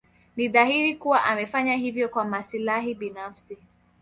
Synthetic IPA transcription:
niðahiɾikuwaʔamɛfaɲaɦivjɔkwamasilaɦiɓinafsi

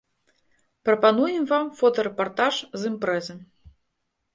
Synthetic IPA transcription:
pɾɐpanujɛmvamfɔt̪ɐɾɛpart̪aʂzɨmpɾɛzɨm

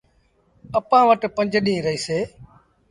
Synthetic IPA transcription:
əpãːʋəʈpə̃ɲd͡ʒɗĩːɾəiːseː

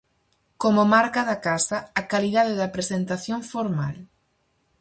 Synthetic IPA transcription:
komʊmaɾkaðɐkasɐːkaliðaðɪðɐpɾesent̪aθjoŋfoɾma̰l

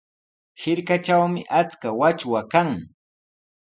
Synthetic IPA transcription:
hɪɾkat͡ʃawmɪʔat͡skawat͡ʃwakaŋ

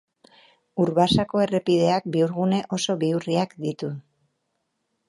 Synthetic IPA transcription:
uɾβasako̞e̞re̞piðe̞ak̚biuɾɣune̞ʔo̞so̞βiuriakd̪it̪u

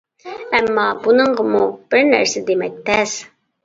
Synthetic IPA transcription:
æmːɑbunɤɴɢɤmub̥ɘɾnæ̰ɾsæd̪emæk̚t̪æs

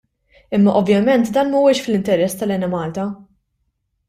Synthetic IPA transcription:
ɪmːɐʔɔvjɐmɛnt̪d̪ɐːnmɐwɛʃflɪnt̪ɛɾɛsːt̪ɐlɛnɛmɐːlt̪ɐ

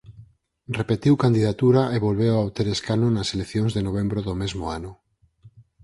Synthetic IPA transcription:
repet̪iwkand̪iðat̪uɾaʔeβolβewawt̪eɾeskanʊnɐselekθjõŋzðenoβ̞embɾoðomezmoanʊ

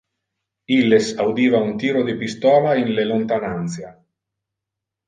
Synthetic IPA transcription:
ilːesawd̪iːvaunt̪iːɾod̪epist̪ɔːlainlelont̪anant̪sja

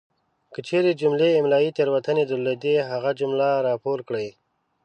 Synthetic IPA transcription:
kət͡ʃʰeɾed͡ʒʊmleɪmlɑit̪eɾwat̪əned̪ʊlːed̪eɦaɣad͡ʒʊmlaɾɑːpoɾkɽəj

